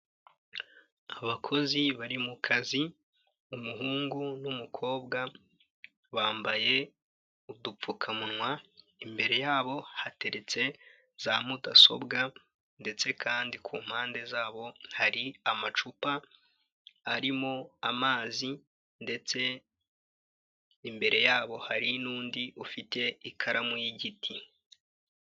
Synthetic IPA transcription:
aβakʰo̞ziβaɾimukʰazi | umuɦuːŋɡunumukʰo̞ːbɡa | βaːmbaje̞ | udup͡fukʰamunwa | imbe̞ɾe̞jaːβo̞hate̞ɾe̞t͡se̞ | z̥aːm̥utaso̞̰bɡa | nde̞t͡se̞kʰaːndikʰuːm̥haːnde̞zaːβo̞haɾiamat͡ʃupa | ɾimoamaːzi | nde̞t͡se̞ | imbe̞ɾe̞jaːβo̞haɾinuːndiʔufite̞ikʰaɾamujiɟitʰi

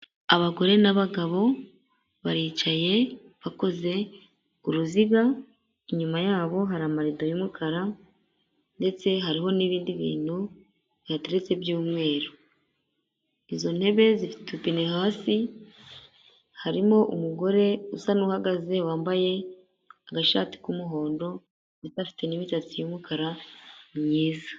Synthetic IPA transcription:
aβaɡo̞ɾe̞naβaɡaβo̞ | βaɾiːt͡ʃaje̞ | βako̞ze̞ | uɾuziɡa | iɲumajaːβo̞ɦaɾamaɾidojumukʰaɾa | nde̞t͡se̞ɦaɾiɦo̞niβiːndiβḭːn̥u | βihateɾe̞t͡se̞βjuːmŋe̞ːɾo | izo̞n̥he̞βe̞zifi̥tupine̞haːsi | haɾimo̞ʔumuɡo̞ɾe̞usanuːhaɡaze̞waːmbaje̞ | aɡaʃa̰ːti̥kumuɦo̞ːndo̞ | βitafi̥te̞nimitat͡sijumukʰaɾamɲiːzḁ

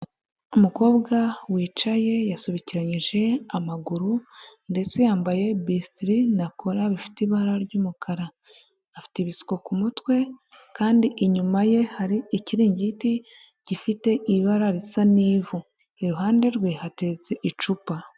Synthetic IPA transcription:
umuko̞ːbɡawiːt͡ʃaje̞jasuβiciɾaɲiʒe̞amaɡuɾunde̞t͡se̞jaːmbaje̞bistɾinakʰoɾaβifi̥teiβaɾaɾɟuːmukʰaɾa | nafi̥teβisi̥ko̞kumutwe̞kaːndiʔiɲumaje̞haɾiiciɾiːɲɟiti | ɟ̥ifite̞ʔiβaɾaɾisaniːvu | iɾuɦaːnde̞ɾɡwiːhatizeʔit͡ʃupa

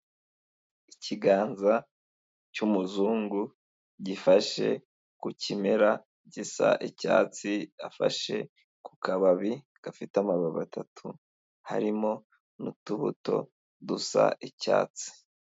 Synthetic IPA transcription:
iciɡaːnza | cumuzuːŋɡu | ɟifaʃe̞̰ | kucimeɾa | ɟisa̰ʔica̰ːt͡siafa̰ʃe̞̰ | ku̥kʰaβaβi | ɡ̥afitamaβaβa̰tʰatʰu | ha̰ɾimo̞ | nutuβṵto̞̰ | dusa̰ʔica̰ːt͡si̥

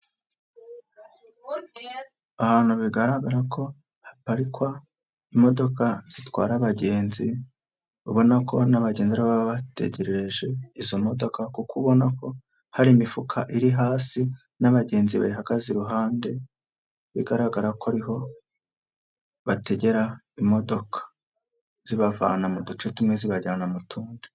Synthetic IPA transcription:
ahaːn̥huβiɡaɾaɡaɾakʰo̞ | hḁpaɾikwa | imo̞do̞kaz̥itwaːɾaβaɟe̞ːnzi | βuβo̞nako̞naβaɟe̞ːnziɾaβaβaβate̞̰ɟe̞ɾe̞ɾe̞ʒe̞izo̞mo̞do̞kakukuβo̞nako̞ | haɾimifukʰaʔiɾiɦaːsi | naβaɟe̞ːnziβa̰iɦaɡaziɾuɦaːnde̞ | βiɡaɾaɡaɾakwaɾiɦo̞ | βate̞ɟe̞ɾa | imo̞do̞kʰḁ | z̥iβava̰ːnamudut͡ʃetumŋe̞ziβaɟaːnamutʰuːnde

